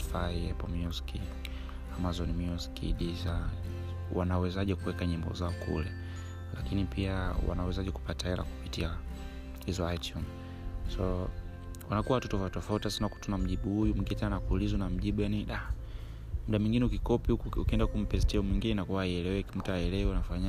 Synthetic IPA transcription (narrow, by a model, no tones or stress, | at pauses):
faiɛpɔmiuski | amazɔnimɔskḭɗiza | wa̰nawɛzaʄɛkuwɛkaɲimbɔ̰zaɔkʰṵlɛ | lakinipiawa̰nawɛzaʄɛku̥pataɛla̰ku̥pitia | hizɔajtʰjun | sɔ | wanakuwaatutɔvatɔfautiasinaku̥tunam̩ʄiɓuhujumuŋɡinɛtɛnanakuulizunam̩ʄiɓujaniɗa | muɗamwiŋɡinɛukikɔpiukuukiɛndakum̩pɛs̬tiɔmwiŋɡinɛinakuwaiɛlɛwɛkim̩tuaɛlɛwɛnafaɲa